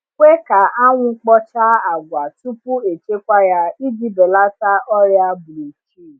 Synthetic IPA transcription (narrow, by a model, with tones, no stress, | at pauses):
kʷe˦ka˨˦ʔa˦w̃ũ˧˦k͡pɔ˦t͡ʃa˦a˨ɡʷa˨tu˦pu˦e˨t͡ʃe˦kʷa˦ja˧i˦di˨˦dɔ˨la˦ta˦ɔ˦ɾja˧bu˨lo˨t͡ʃi˦˨